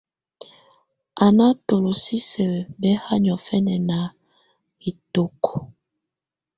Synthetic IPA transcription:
a˨na˦to˨lo˨si˦sɛ˨bɛ˦ha˦ɲɔ˨fɛ˦nɛ˨na˨ | i˨to˨kɔ˨

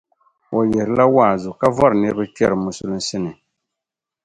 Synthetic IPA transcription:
wɔ˨jɛ˨ɾɨ˨la˦waː˦˨zʊ˨ka˦vɔ˦ɾɨ˨nɨ˦ɾbɨ˦t͡ʃɛ˦ɾɨ˨mʊ˨sʊ˦lɨ˦n˦sɪ˦nɨ˨

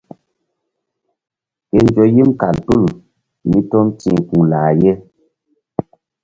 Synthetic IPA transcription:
ke˨n˦d͡ʒɔ˨ji˦mka˨ltu˦˨ | mi˦tɔ˦n˦tḭ˦˨ŋ˨kũ˨laː˨je˦

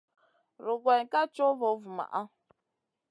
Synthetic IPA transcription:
ɾʊ˨ɡʷe˨ɲ˨ka˦t͡ʃo˦vo˨˦vu˨ma̰˨ʔa˦

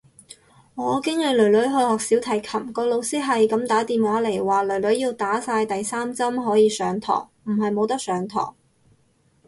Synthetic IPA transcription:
ŋɔː˨˧kɪ˥ŋle˨˧lɵ˨˩ɥlɵ˨˥ɥɦɵ˧hɔː˨k̚siː˨˥wt̪ʰɐ˨˩jkʰɐ˨˩mkɔː˧lo˧wsiː˥ɦɐ˨jkɐ˨˥mt̪aː˨˥t̪iː˨mwaː˨˥le˨˩jwaː˨lɵ˨˩ɥlɵ˨˥ɥjiː˧wt̪aː˨˥saː˧jt̪ɐ˨jsaː˥mt͡sɐ˥mɦɔː˨˥jiː˨˧sœː˨˧ŋt̪ʰɔ̰ː˨˩ŋm̩˨˩ɦɐ˨jmo˨˧wt̪ɐ˥k̚sœː˨˧ŋt̪ʰɔ̰ː˨˩ŋ

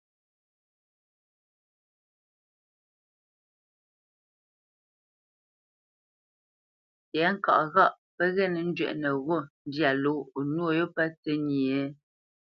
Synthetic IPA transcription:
tɛ˨˦ŋ̩˦kɔ̰˨ʔɣa˦˨ʔ | pə˦ɣɛ˦˨nə˨n̩˦d͡ʒɥɛ̰˨ʔnə˨ɣo˦˨n̩˦dja˨lo˨˦˨nwo˦˨jo˦pə˦t͡sə˦ɲi˨e˨˦

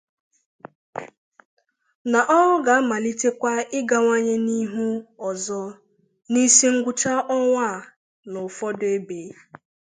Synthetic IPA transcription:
na˨ʔɔ˦ɔ˦ɡa˨a˦ma˨li˦te˦kʷa˦ɪ˦ɡa˨ŋʷa˦ɲe˦ni˦ɦu˦ɔ˨zɔ˦ | ni˦si˦ŋ̩˦ɡʷʊ˦t͡ʃa˦ʔɔ˦ŋʷa˦˨ | nʊ˨fɔ˦de˦be˨˦

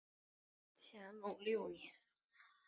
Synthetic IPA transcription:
t͡ɕʰjɛ˧˥nmʊ˨˩ŋljo˥˧ʊɛ˨˩

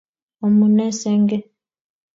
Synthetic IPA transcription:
ɔ˨mu˨nɛ˦sɛ˦ŋɡɛ˦

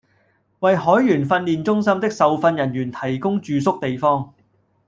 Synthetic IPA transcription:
wɐ˨jhɔː˨˥jːyː˨˩nfɐ˧nliː˨nt͡sʊ˥ŋsɐ˥mt̪ɪ˥k̚sɐ˨wfɐ˧njɐ˨˩njyː˨˩nt̪ʰɐ˨˩jkʊ˥ŋt͡ʃyː˨sʊ˥k̚t̪e˨jfɔː˥ŋ

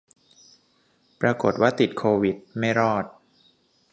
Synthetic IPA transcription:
pɾaː˧ko˨˩t̪̚waː˥˩t̪i˨˩t̪̚kʰoː˧wi˨˩t̪̚ma˥˩jɾɔː˥˩t̪̚

